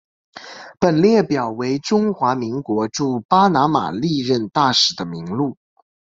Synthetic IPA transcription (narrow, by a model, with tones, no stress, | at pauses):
pə˨˩nljɛ˥˩pjɑ˨˩ʊwe˧˥ɪʈ͡ʂʊ˥ŋxwa˧˥mi˧˥ŋkwɔ˧˥ʈ͡ʂu˥˩pa˥na˧˥ma̰˨˩li˥˧ɻə˥˧nt̪a˥˩ʂɻ̩˨˩d̪ə˦mi˧˥ŋlu˥˩